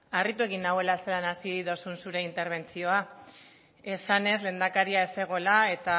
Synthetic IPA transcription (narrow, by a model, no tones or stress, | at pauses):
arit̪ue̞ɣinawe̞lase̞lanasiðo̞sunsuɾe̞int̪e̞ɾβe̞nt͡sio̞a | e̞sane̞zle̞ːnd̪akaɾiae̞se̞ɣ̞o̞lae̞t̪a